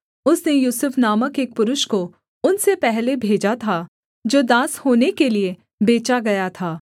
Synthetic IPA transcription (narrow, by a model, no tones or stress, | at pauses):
ʊsnejuːsʊfʰnaːməkeːk̚pʊɾʊʃko | ʊnsepɛɦlebʱeːd͡ʒat̪ʰa | d͡ʒoːd̪ãːshoːnekelie | beːt͡ʃaɡɐjat̪ʰaː